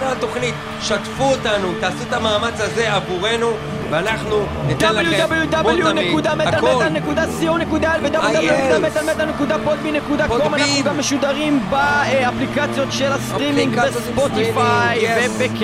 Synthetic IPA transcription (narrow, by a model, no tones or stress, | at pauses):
at̪o̞χnit̪ | ʃat̪fuot̪anut̪aːsuet̪amaːmat͡shaze̞avuʁe̞nu | veanaχnu | natd̪abljudabeljud̪abljunekud̪amealealnekud̪asionekud̪aelved̪ablud̪ablnekud̪amet̪almet̪anekud̪apod̪̚binekud̪akomannaχnuɡamːeʃud̪aʁimbaaplikat͡sjo̞t̪ʃelastʁimĩŋɡbespot̪ifajvebek